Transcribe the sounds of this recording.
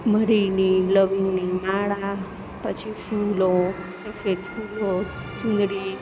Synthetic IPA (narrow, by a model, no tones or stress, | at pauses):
məɾiniləʋiŋnimaɭa | pət͡ʃʰifulo | səfed̪fulo | t̪ʰũnd̪ɾi